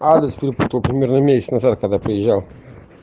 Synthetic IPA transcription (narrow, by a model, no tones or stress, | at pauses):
ad̪ʲɪspʲɪɾʲɪput̪əlˠpɾʲɪmʲeɾnəmʲesʲɪt̪nazat̪̚kɐɡd̪apɾəjɪʒːalˠ